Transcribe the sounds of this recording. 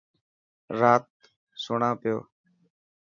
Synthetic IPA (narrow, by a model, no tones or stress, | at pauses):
ɾaːt̪̚ | sʊɳãːpɪjo̰ː